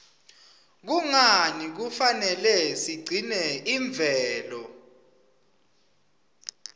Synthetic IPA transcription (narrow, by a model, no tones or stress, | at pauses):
k̬uŋanik̬ufanɛlɛsiɡ͡ǀʱinɛiɱb̪vʱɛːlɔ